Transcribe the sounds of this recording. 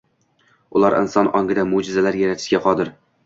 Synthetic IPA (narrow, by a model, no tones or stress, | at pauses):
ʊ̰lˠaɾɪ̰nsɒnɒŋɡɪd̪amʊd͡ʒɪzalaɾjaɾat̪ʰɪʃkʲaqʰɒd̪ɪɾ